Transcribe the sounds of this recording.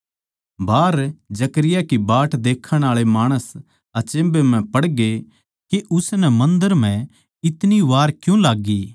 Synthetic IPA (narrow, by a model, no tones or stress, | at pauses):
baːɾd͡ʒɐkəɾɪjakibaːʈd̪eːkʰəɽ̃aːɭemaːɽ̃əs | ɐt͡ʃẽːbemɛ̃pɐɽɡe | keʔʊsnɛmɐ̃nd̪əɾm̤ɛ̃ | ɪt̪niʋaːɾkjũlaːɡːiː